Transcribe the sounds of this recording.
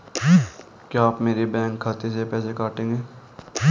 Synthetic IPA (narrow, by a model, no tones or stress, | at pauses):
kjaːpmeːɾibɛ̃ːŋkʰːaːt̪esepɛːsekaːʈẽːŋɡeː